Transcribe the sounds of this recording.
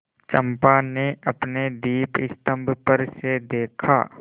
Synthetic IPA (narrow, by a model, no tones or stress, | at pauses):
t͡ʃə̃mpaneɐpned̪iːpɪst̪ə̃mbʱpəɾsed̪eːkʰa̰ː